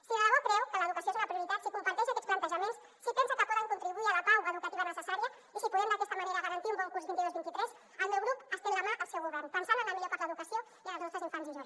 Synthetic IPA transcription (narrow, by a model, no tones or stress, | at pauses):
siaaβakɾɛwkələðukəsioezləpɾiuɾit̪at̪sikumpaɾt̪ɛʒakɛtt͡ssplɐnt̪əʒəmens | sipɛnsakəpuðɛnkunt̪ɾiβuialəkawɣaːðukət̪iβənəsəsaɾiə | isipuðɛmd̪əkɛst̪əmaneɾaɣəɾɐnt̪iumbɔŋkuɾzβint̪iozβint̪it̪ɾɛz | əlˠmewɣɾupəst̪iɾɾamaʔəlˠsɛwɣuβɛrnpənsalələmiʎoɾpaɾləðukəsio | iələznɔst̪əzĩɱfanziʒo